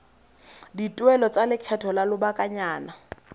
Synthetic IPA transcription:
ditʼwɛlɔt͡sʼalɪkʰɛtʰɔlalʊbakʼaɲaːna

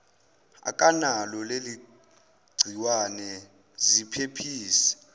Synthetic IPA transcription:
a̰kʼanalɔleli | ɡ͡ǀʱiwanɛ | zipʰepʰiːsɛ̥

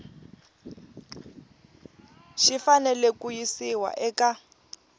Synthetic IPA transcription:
ʃifanɛlɛkujisiwa̰ʔɛka

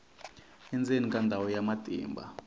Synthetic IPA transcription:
ɛnd͡zʼenikʼandʱawɔjamatʼḭːmbʱa̰

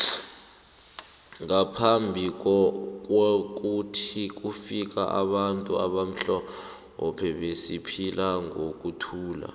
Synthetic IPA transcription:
ŋapʰambʱik̬ɔk̬wk̬utʰik̬ufik̬a̰ʔa̰ɓantʼua̰ɓam̩ɬɔ | ɔpʰɛɓesipʰilaŋok̬ʼutʰuːla̰

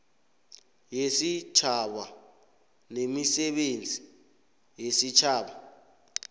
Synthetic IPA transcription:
jesit͡ʃʰaɓa | nemisɛɓend͡zʱi | jesit͡ʃʰaːɓa

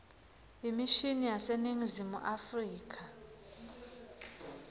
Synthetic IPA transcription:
imiʃinijaseniŋizimṵʔafriːk̬ʰʼa

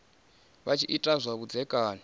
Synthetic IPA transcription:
βat͡ʃʰiʔitʼazʷaβud͡zɛkʼaːnɔ

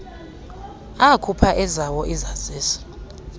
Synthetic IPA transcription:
akʰupʰaʔɛzawɔʔizaz̥iːsḁ

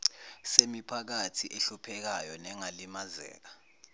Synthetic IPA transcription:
semipʰak̬atʰiʔeɬupʰɛk̬ajɔnɛŋalimazɛ̰ːk̬ḁ

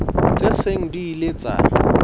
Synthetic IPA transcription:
t͡sʼeseŋ̩diːlet͡sʼa̰ː

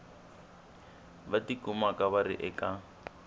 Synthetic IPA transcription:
batikumakaβarḭʔɛka

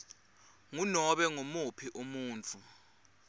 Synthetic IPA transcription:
ŋunɔɓɛŋomupʰiʔumuːnt͡fʰʼu

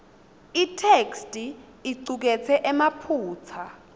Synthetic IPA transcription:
itʰekstʼi | iǀuk̬ɛt͡sʰɛʔɛmapʰuːt͡sʰa

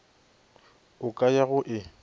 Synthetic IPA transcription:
ʊkʼajaɣʊʔɪ

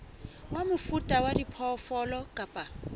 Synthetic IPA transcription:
wamʊfutʼawadipʰɔfɔlɔkʼapʼa

